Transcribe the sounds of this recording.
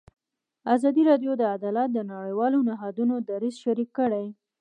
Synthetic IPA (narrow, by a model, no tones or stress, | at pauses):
azɑd̪iɾɑɖjod̪əad̪ɑlat̪̚d̪ənaɽəjwɑlonɪɦɑd̪unod̪aɾizʃaɾikːəɽaj